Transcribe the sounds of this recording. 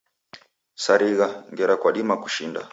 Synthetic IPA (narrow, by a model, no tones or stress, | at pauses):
saɾiɣaŋɡɛɾakwaɗimaku̥ʃinda̰